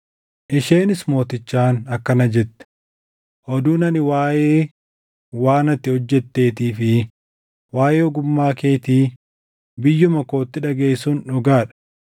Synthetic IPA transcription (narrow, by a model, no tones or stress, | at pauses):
ʔɪʃe̞ːnɪsmo̞ːt̪ɪt͡ʃːaːnɐkːɐnɐd͡ʒɛt̪ːɛ̥ | ʔɔd̪uːnɐnɪwaːjeː | waːnɐt̪ːɪhɔd͡ʒːɛt̪ːe̞ːt̪iːfɪ | waːjeːɔɡʊmːaːke̞ːt̪iː | bɪjːʊmɐko̞ːt̪ːɪᶑɐɡe̞ːsuːnᶑʊɡaːᶑɐ̥